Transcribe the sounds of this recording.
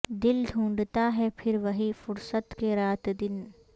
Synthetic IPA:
d̪ɪld̪ʱũːɳɖt̪aɦɛpʰɪɾʋɐɦifʊɾsət̪keɾaːt̪d̪ɪn

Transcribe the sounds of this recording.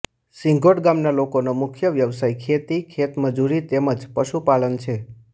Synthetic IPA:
sɪ̃ŋɡʱoʈɡamnalokonomʊkʰjəʋjəʋsajkʰet̪ikʰet̪məd͡ʒuɾit̪eməd͡ʒpəʃupalənt͡ʃʰe

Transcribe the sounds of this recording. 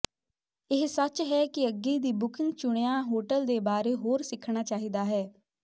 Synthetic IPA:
ɪɦsət͡ʃɦɛːkɪəɡːiːd̪iːbʊkɪ̃ŋɡt͡ʃʊɽ̃ejãːɦoːʈəld̪eːbaːɾeːɦoːɾsɪkʰɽ̃aːt͡ʃaːɦiːd̪aːɦɛː

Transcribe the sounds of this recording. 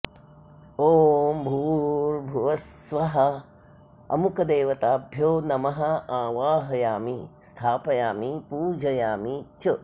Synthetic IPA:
oːmbʱuːɾbʱuʋɐsʋɐɦɐ | ɐ̰mukɐd̪eːʋɐt̪aːbʱjoːnɐmɐɦɐaːʋaːɦɐjaːmist̪ʰaːpɐjaːmipuːd͡ʒʱɐjaːmit͡ʃɐ

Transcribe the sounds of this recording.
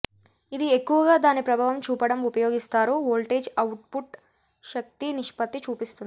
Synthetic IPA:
id̪iekːuʋɐɡaːd̪aːnipɾɐbʱaːʋɐmt͡ʃuːpɐɽɐmupɐjo̞ːɡist̪aːɾooːlʈeːd͡ʒɐwʈ̚puʈ | ʃɐk̚t̪iniʂpɐt̪ːit͡ʃuːpist̪und̪i

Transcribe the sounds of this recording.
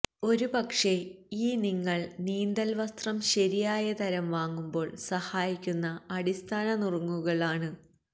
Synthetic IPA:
o̞ɾubɐkʂe̞ | iːniŋːɐɭniːnd̪ɐlʋɐst̪rɐmɕɐɾijaːjɐt̪ɐɾɐmʋaːŋːumbo̞ːɭsɐhaːjikʲːunːɐɐɽist̪ʰaːɳɐnirɐŋːuɣɐɭaːɳɨ

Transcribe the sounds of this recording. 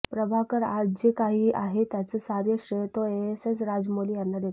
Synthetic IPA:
pɾəbʱakəɾa̰d͡ʑd͡ʑekaɦiːaɦet̪jat͡səsaɾjəɕəjt̪oesesɾad͡zmolijanːad̪jet̪

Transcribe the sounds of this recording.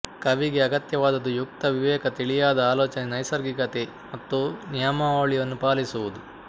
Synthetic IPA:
kɐʋiɡeɐɡɐt̪jɐʋaːd̪ɐd̪ːujuk̚t̪ɐʋiʋɛːkɐt̪iɭijaːd̪ɐaːloːt͡ʃɐnenɐjsɐɾɡikɐt̪e | mɐt̪ːunijamɐoːɭijɐnːupaːlisuʋud̪u

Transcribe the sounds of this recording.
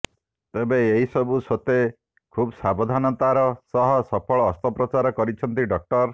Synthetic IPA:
t̪ebeːɦisɔbusot̪e | kʰubsabɔd̪ʱanɔt̪aɾɔsɔɦɔsɔpʰɔɭɔːst̪ɔpɾɔt͡ʃaɾɔkɔɾit͡ʃʰɔnt̪iɖɔk̚ʈɔɾ

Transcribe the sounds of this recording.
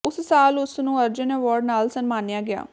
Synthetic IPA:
ʊssaːlʊsnũːəɾd͡ʒənɛʋɔːɾɖnaːlsənmaːnejaːɡɪja̰ː

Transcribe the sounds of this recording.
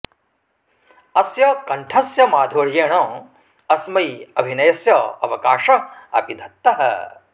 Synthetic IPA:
ɐsjɐkɐɳʈʰɐsjɐmaːd̪ʱoːɭjeːɳɐ̃ː | ɐsmɐjɐbʱinɐjɐsjɐɐ̰ʋɐkaːʂɐɐ̰pid̪ʱɐt̪ːɐɦɐ̰

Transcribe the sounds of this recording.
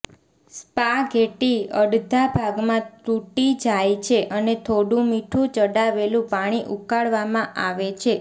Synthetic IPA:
spaɡʱeʈiəɽd̪ʱabʱaɡmãt̪uʈid͡ʒajt͡ʃʰeʔənet̪ʰoɽũmiʈʰũt͡ʃəɽaʋelũpaɽ̃iʔukaɭʋamãʔaʋet͡ʃʰe

